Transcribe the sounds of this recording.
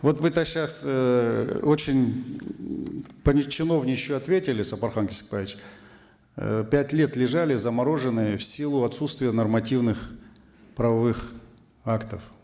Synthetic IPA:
vo̞t̪vɨt̪aɕːas | ot͡ɕɪnʲ | pənʲɪt͡ɕːɪno̞vnʲɪt͡ɕjʊɐt̪vʲetʲɪlʲɪsəpɐrxankʲɪsʲɪ̥kpavʲɪt͡ɕ | pʲætʲlʲe̞t̪lʲɪʐalʲɪzəmɐɾo̞ʐɨnːɨjəfsʲilˠʊɐt̪sut̪st̪vʲɪjənərmɐtʲivnɨx | pɾəvɐvɨx | akt̪əf

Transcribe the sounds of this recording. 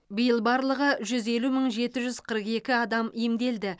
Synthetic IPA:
bijəlˠbɑɾlˠəʁəʒʏze̞luməɴʒe̞t̪ɪʒʏzqʰəɾəqe̞kʲɪɑd̪ɑmemd̪e̞ld̪ɪ

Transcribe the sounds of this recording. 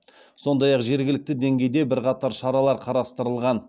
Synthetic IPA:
so̞nd̪ɑjɑqʒe̞ɾɡʲɪlɪk̚t̪ɪd̪e̞ŋɡʲe̞jd̪e̞bɪɾqɑt̪ɑɾʃɑɾɑlˠɑɾqʰɑɾɑst̪əɾəlˠʁɑn

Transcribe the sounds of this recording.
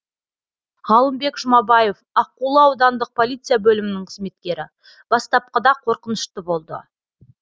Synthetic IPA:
ʁɑlˠəmbe̞kʒʊmɑbɑje̞fɑq̚ːulˠəɑwd̪ɑnd̪əq̚pʰo̞lˠijt̪sɨjabɵlɪmɪnɪɴqʰəzme̞t̪̚kʲe̞ɾɪ̰ | b̥ɑst̪ɑp̚qɑd̪ɑqʰo̞ɾqənəʃt̪əbo̞lˠd̪ə̰

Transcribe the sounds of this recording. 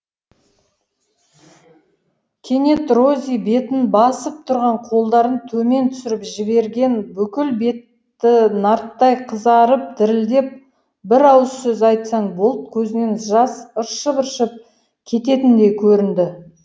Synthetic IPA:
kʲʰe̞ne̞t̪ro̞zʲijbe̞t̪ɪnbɑsəp̚t̪ʰʊɾʁɑɴqʰo̞lˠd̪ɑɾənt̪ʰɵme̞nt̪ʰʏ̥sɪɾɪpʒɪbe̞ɾɡʲe̞nbʏkʲɪlbe̞t̪ː | ɪnɑɾt̪ːɑjqʰəzɑɾəp̚d̪ɪɾɪld̪e̞p̚ | bɪɾɑwəssʏzɑjt̪sɑɴbolˠt̪̚kʲʰɵzɪne̞nʒɑsəɾʃəbəɾʃəp̚ | kʲʰe̞t̪e̞t̪ɪnd̪e̞kʲʰɵɾɪnd̪ɪ

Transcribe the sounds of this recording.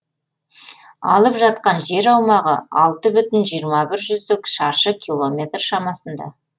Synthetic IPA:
ɑ̰lˠəpʒɑt̪̚qɑnʒe̞ɾɑwmɑʁə̰ɑlˠt̪əbʏt̪ɪnʒijəɾmɑbɪɾʒʏzt̪ɪkʃɑɾʃəkʲʰilˠo̞mʲe̞t̪rʃɑmɑsənd̪ɑ̰

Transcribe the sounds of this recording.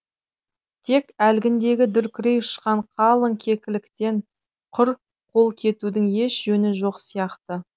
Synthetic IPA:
t̪ʰe̞kælɡʲɪnd̪e̞ɡʲɪd̪ʏɾkʲɪɾe̞jʊʃqɑɴqʰɑlˠəŋkʲʰe̞kʲɪlɪkt̪e̞ɴ | qʰʊɾ | qʰo̞lˠkʲʰe̞t̪ud̪ɪŋje̞ʃʒɵnɪʒo̞qsijɑqt̪ə

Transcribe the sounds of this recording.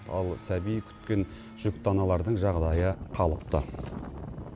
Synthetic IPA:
t̪ɑlˠsæbijkʲʰʏ̥t̪kʲe̞n | ʒ̥ʏkt̪ɑnɑlˠɑɾd̪əɴʒɑʁd̪ɑjəqʰɑlˠəp̚t̪ə

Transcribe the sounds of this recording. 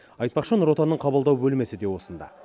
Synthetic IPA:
ɑjt̪̚pɑqʃənʊɾwo̞t̪ɑnːəɴqʰɑbəlˠd̪ɑwbɵlme̞sɪd̪e̞wo̞sənd̪ɑ̰

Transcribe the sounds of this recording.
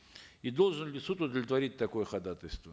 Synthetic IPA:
id̪o̞lˠʐɨnlʲɪsut̪ʊd̪əvʲlʲɪt̪vɐɾʲit̚ʲt̪ːɐkojəxɐd̪at̪əlʲst̪və

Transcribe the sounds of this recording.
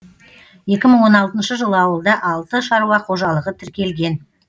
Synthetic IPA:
je̞kʲɪməɴwo̞nɑlˠt̪ənʃəʒəlˠəɑwəlˠd̪ɑʔɑlˠt̪əʃɑɾuwɑqʰo̞ʒɑlˠəʁət̪ʰɪɾkʲe̞lɡʲe̞n

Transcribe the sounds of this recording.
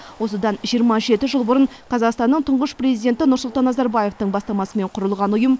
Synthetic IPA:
wo̞səd̪ɑnʒijəɾmɑʒe̞t̪ɪʒəlˠbʊɾəɴ | qʰɑzɑqst̪ɑnːəɴt̪ʰʊɴʁəʃpre̞zijd̪e̞nt̪ɪnʊɾsʊlˠt̪ɑnːɑzɑɾbaje̞ft̪əɴbɑst̪ɑmɑsəme̞ɴqʰʊɾəlˠʁɑnʊjəm

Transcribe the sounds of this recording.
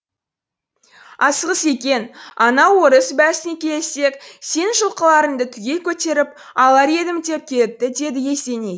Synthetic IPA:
ɑsəʁəse̞kʲe̞nɑnɑwoɾəsbæsɪnekʲʰe̞lese̞kse̞nʃəlˠqəlˠɑɾənd̪ət̪ʰʏɡʲe̞lkʲʰɵt̪e̞ɾɪp̚ | ɑlˠɑɾe̞d̪ɪmt̪e̞p̚kʲʰe̞lɪp̚t̪ːɪd̪e̞d̪ɪje̞st̪e̞ne

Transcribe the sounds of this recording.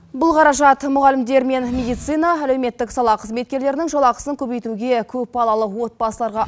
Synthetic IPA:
bʊlˠqʰɑɾɑʒɑt̪mʊʁɑlɪmd̪e̞ɾme̞nmʲe̞d̪ijt̪sɨjnɑælewme̞t̪ːɪksɑlˠɑqʰəzme̞t̪̚kʲe̞ɾle̞ɾɪnɪŋʒolˠɑqəsəŋkʲʰɵbejt̪uɡʲe̞kʲʰɵp̚bɑlˠɑlˠəwo̞t̪̚bɑsəlˠɑɾʁɑ

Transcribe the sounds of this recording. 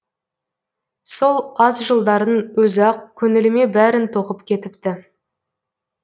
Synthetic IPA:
so̞lˠɑzʒəlˠd̪ɑɾənwɵzɑq̚kʲʰɵnɪlɪme̞bæɾɪnt̪ʰo̞qəpkʲʰe̞t̪ɪp̚t̪ɪ

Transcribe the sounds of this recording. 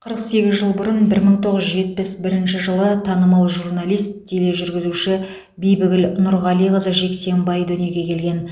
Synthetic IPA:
qʰəɾəqse̞ɡʲɪzʒəlˠbʊɾənbɪɾməɴt̪ʰoʁəzʒʒe̞t̪̚pɪsbɪɾɪnʃɪʒəlˠət̪ʰɑnəmɑlˠʒurnalijst̪ːʰele̞ʒʏɾɡʲɪzuʃɪ | bejbɪɡʲɪlnʊɾʁɑlˠijʁəzəʒe̞kse̞mbɑjd̪ɵne̞ɡʲʰe̞kʲʰe̞lɡʲe̞n

